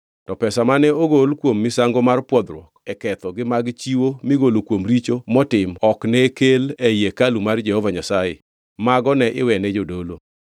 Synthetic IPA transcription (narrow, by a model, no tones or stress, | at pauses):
tɔpɛsamanɛoɡolkwomːɪsaŋɡomarpwɔd̪ɾwɔkɛkɛt̪ɔɡɪmaɡt͡ʃiwomiɡolokwomɾit͡ʃomɔtɪmɔknɛkelejekalumard͡ʒɛhɔvaɲasajḛ | maɡɔnɛʔɪ̰wɛnɛd͡ʒodolo